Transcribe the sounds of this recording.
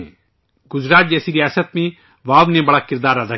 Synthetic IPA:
ɡ̥ʊzɾaːt̪̚d͡ʒɛːsiːɾɪjaːsət̪̚mẽː | ʋaːʋneːbəɽaːkɪɾd̪aːɾad̪a

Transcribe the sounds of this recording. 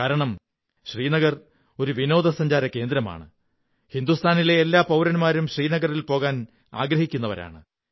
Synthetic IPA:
kaːɾɐɳɐm | ɕriːnɐɣɐr | o̞ɾuʋino̞ːd̪ɐsɐɲd͡ʑaːɾɐkːe̞ːnd̪ɾɐma̰ːɳɨ | hind̪ust̪ʰaːnile̞ːlːaːpɐwɾɐnmaːɾumɕriːnɐɣɐrilpo̞ːɣaːn | a̰ːɡɾɐhikʲːunːɐʋɐ̰ɾa̰ːɳɨ

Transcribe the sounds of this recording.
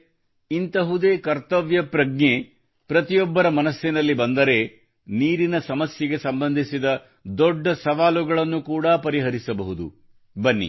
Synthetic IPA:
int̪ɐɦud̪e̞ːkɐɾt̪ɐʋjɐpɾɐɡɲe | pɾɐt̪ijɔbːɐɾɐmɐnɐsjinɐlːibɐnd̪ɐɾe̞ | niːɾinɐsɐmɐsjɐɡe̞sɐmbɐnd̪ʱisid̪ɐ | d̪ɔɖːɐsɐʋaːluɡɐɭɐnːukuːɽapɐɾiɦɐɾisɐbɐɦud̪ṵ | bɐnːḭ

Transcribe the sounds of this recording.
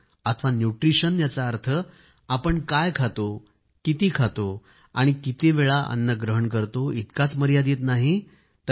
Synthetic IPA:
at̪ʰəʋanjuʈɾiɕənjat͡saːɾt̪ʰə | apəɳkajkʰat̪o | kit̪ikʰat̪o | aɽ̃ikit̪eʋeɭaʔə̰nːəɡɾəɦəɳkəɾt̪oit̪kat͡sməɾjad̪it̪naɦi | t̪ə

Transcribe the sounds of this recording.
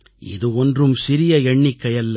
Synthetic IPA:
ɪ̰ðɯɔndrɯmsɪɾɪjɐɛɳːɪkːɐjɐlːɐ

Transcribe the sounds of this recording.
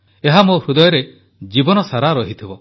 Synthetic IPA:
eɦamohɾud̪ɔjɔɾe | d͡ʒibɔnɔsaɾaɾɔɦit̪ʰibɔ

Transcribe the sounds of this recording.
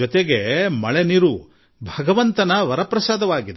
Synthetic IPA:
ɔt̪eɡemɐɭeniɾu | bʱɐɡɐʋɐnt̪ɐnɐʋɐɾɐpɾɐsaːd̪ɐʋaːɡid̪

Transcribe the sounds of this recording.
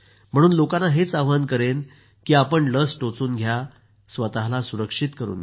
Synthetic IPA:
m̤əɽ̃uːnlokanaɦet͡saʋʋankəɾen | kiːapəɳləsʈot͡suːnɡʱja | sʋət̪aɦlasuɾəkʂit̪kəɾṵːnɡ

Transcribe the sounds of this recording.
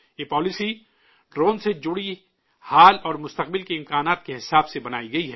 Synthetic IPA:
jeːpɔːlɪsi | ɖɾoːnsed͡ʒʊɽi | haːlɔːɾmʊst̪ɐq̚bɪlkeɪ̃mkaːnaːt̪̚keɦɪsaːbsebɐnaːiɡɐiɦɛː

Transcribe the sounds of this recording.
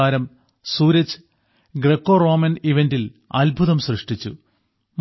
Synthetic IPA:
aːɾɐm | suːɾɐt͡ɕːɨ̥ | ɡrekːo̞ːro̞ːmɐniʋendil | ɐlbʱuðɐmsrɨʂʈit͡ɕːṵ | m

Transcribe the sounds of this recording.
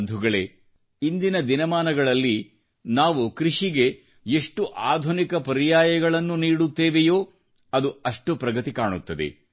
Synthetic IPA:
nd̪ʱuɡɐɭe̞ | ind̪inɐd̪inɐmaːnɐɡɐɭɐlːi | naːʋukɾiʂiɡe̞ | eʂʈuʔaːd̪ʱunikɐpɐɾijaːjɐɡɐɭɐnːuniːɽut̪ːeːʋejo̞ː | ɐd̪uɐʂʈupɾɐɡɐt̪ikaːɳut̪ːɐd̪e̞̰

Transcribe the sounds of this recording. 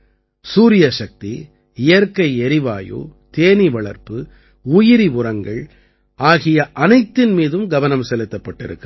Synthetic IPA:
suːɾɪjɐʂɐk̚t̪ḭ | ɪjɐɾkɐɪɛɾɪʋaːjo̰ːt̪eːniʋɐɭɐɾpɯ | ʊjɪɾiʋʊrɐŋɡɐɭ | aːɣɪjɐʔɐnɐɪt̪ːɪnmiːðɯmɡɐʋɐnɐmsɛlɯt̪ːɐpːɐʈːɪɾɯ̰kːɯ

